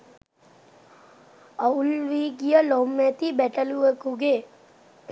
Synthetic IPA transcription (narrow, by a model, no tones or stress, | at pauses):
aulʋiːɡijəlomːɛt̪ibɛʈəluekuɡe